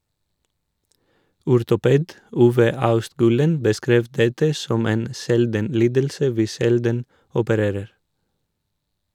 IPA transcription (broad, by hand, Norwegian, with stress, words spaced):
ʊɾtʊˈpeːd ˈuːʋə ˈɑʉstˌɡʉːlən bəˈskɾeːʋ ˈdɛtə ˈsɔm ˈeːn ˈsɛldən ˈliːdəlsə ˈʋiː ˈʃɛldən ɔpəˈɾeːɾəɾ